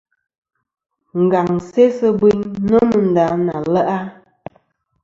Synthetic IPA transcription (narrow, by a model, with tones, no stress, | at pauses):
ŋ̩˨ɡa˨ŋse˦sə˦bi˦ɲnə˦mə˨n̩˨da˨˦na˨lə˦ʔa˦